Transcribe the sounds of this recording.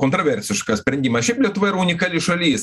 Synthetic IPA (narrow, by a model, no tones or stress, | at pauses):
kont̪ɾoʋʲɛrʲsʲɪʃkɐsʲpʲɾʲɛnʲd̪ʲimɐʃʲipʲlʲɛt̪ʊʋɐɪɾʊnʲɪkaːlʲɪʃɐlʲiːs